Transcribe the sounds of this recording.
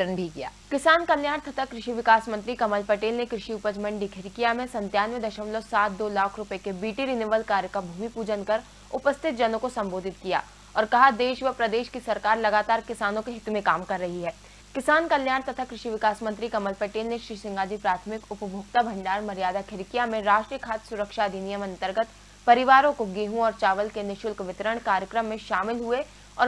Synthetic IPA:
ənbʱikija̰ːkɪsaːnkɐljaːɽ̃t̪ɐt̪ʰakɾɪʃiʋɪkaːsmə̃nt̪ɾikɐməlpɐʈeːlnekɾɪʃiʊpəd͡ʒmɐ̃ɳɖikʰɪɾkijamẽsɐ̃nt̪jaːnʋed̪ɐʃəmlosaːt̪̚ʰd̪oːlaːkʰɾʊpekebiːʈiɾineʋəlkaːɾjəkabʱuːmipuːd͡ʒənkɐɾ | ʊpəst̪ʰɪt̪̚d͡ʒɐnõkosɐ̃mboːd̪ʱɪt̪̚kija̰ː | ɔːɾkɐɦad̪eːʃʋəpɾɐd̪eːʃkisɐɾkaːɾlɐɡaːt̪aːɾkɪsaːnõkeɦɪt̪umẽkaːmkɐɾːɐɦiɦɛː | kɪsaːnkɐljaːɽ̃t̪ɐt̪ʰakɾɪʃiʋɪkaːsmə̃nt̪ɾikɐməlpɛʈeːlneʃɾiːsɪ̃ŋɡaːd͡ʒ̪ipɾaːt̪ʰmɪkʊpəbʱʊːɡt̪abʱɐ̃ɳɖaːɾmɐɾijaːd̪akʰɪɾɪkijamẽɾaːʃʈɾijəkʰaːt̪sʊɾəkʃad̪inijəmɐ̃nt̪əɾɡət̪ | pɐɾɪʋaːɾõkoɡiːɦũɔːɾt͡ʃaːʋəlkenɪʃʊlkʋɪt̪ɾəɽ̃kaːɾjəkɾəmːẽʃaːmɪlɦue | ɔ̰ː

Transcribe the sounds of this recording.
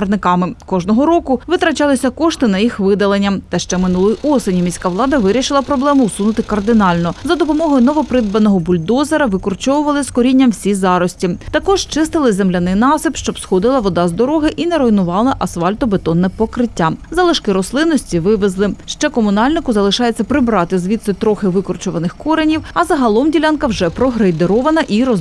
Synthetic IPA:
d̪nɪkɑmɪkɔʒnɔɦɔɾɔkʊʋɪt̪ɾɐt͡ʃɑlˠɪsʲɐkɔʃt̪ɪnɐjixʋɪd̪ɐlˠenʲːɐmt̪ɐʃt͡ʃɛmɪnulˠʊjiʔɔsenʲimʲisʲkɑʋlˠɑd̪ɐʋɪɾʲiʃɪlˠɐpɾɔblˠɛmʊusunʊt̪ɪkɐrd̪ɪnɑlʲnɔzɐd̪ɔpɔmɔɦɔjnɔʋɔpɾɪd̪̚bɐnɔɦɔbʊlʲd̪ɔzeɾɐʋɪkɔrt͡ʃɔwʊʋɐlˠɪskɔɾʲinʲːɐmwsʲizɑɾɔsʲtʲit̪ɐkɔʒ̥t͡ʃɪst̪ɪlˠɪzemlʲɐnɪjnɑsɪpʃt͡ʃɔbsxɔd̪ɪlˠɐʋɔd̪ɑzd̪ɔɾɔɦɪʔinɛɾɔjnʊʋɑlˠɐʔɐsʋɑlʲt̪ɔbet̪ɔnːɛpɔkɾɪtʲːazɐlˠɪʃkɪɾɔslˠɪnːɔsʲtʲiʋɪʋezlˠɪʃt͡ʃɛkɔmʊnɑlʲnɪkʊzɐlˠɪʃɑjet͡sʲːɐpɾɪbɾɑt̪ɪzʋʲit̪sɔt̪ɾɔxɪʋɪkɔrt͡ʃɔʋɐnɪxkɔɾenʲiwɐzɐɦɐlˠɔmdʲilʲɑnkɐwʒɛpɾɔɦɾejd̪eɾɔʋɐnɐʔiɾɔ

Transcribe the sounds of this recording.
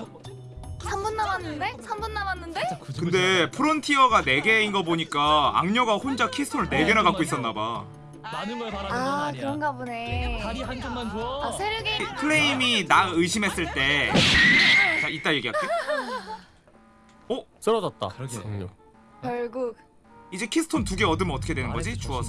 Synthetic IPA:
sʰambunːamanːɯnde̞sʰambunːamanːɯnde̞kkɯnde̞pʰɯɾontʰiʌɡane̞ɡe̞inɡaboɲik͈aa̰ŋɲʌɡahond͡ʑakʰistʰoɾɯɭne̞ɡe̞naɡak͈ois͈ʌnːaba̰ | anɯʌaɾaakɯŋɡabune̞aɾiɦand͡ʑoŋmand͡ʑoasʰeɾoɡekʰɯɾeiminaɯɕʰimɦe̞s͈ɯɭt͈e̞ | t͡ɕait͈ajeɡiɦat͈e | ʌs͈ɯɾʌd͡ʑʌt̚t͈a̰ | kjʌɭɡuk̚ | id͡ʑe̞kʰisʰɯ̥tʰontuɡe̞ʌdɯmʌt͈ʰʌkʰedwenɯnɡʌd͡ʑit͡ɕuʌsʰʌ

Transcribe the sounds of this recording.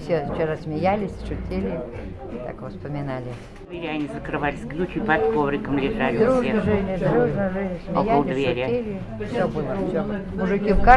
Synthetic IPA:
fsʲeft͡ɕɪɾasʲmʲɪjælʲɪsʲʂʊtʲelʲɪ | t̪a̰kvəspəmʲɪnalʲɪ | vʲeɾʲanʲizəkɾɨvalʲɪsʲɡnʲut͡ʃʲipat̪kovɾʲɪkəmlʲɪʐalʲɪd̪ɾuʐnəʐɛnʲɪd̪ɾuʐnəʐɛnʲɪsʲmʲɪjæɪd̪svʲeʃʊɾʲelʲɪ | fsʲobɨlˠəfsʲo | mʊʐɨkʲifka

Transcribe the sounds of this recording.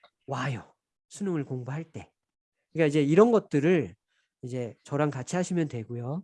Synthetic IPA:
wajo | sʰunoŋɯɭkoŋboɦaɭt͈e̞ | kɯɲik͈aid͡ʑe̞iɾʌnɡʌt̚t͈ɯɾɯɭ | id͡ʑe̞t͡ɕʌɾaŋkat͡ɕʰiɦaɕʰimjʌntwe̞ɡojo

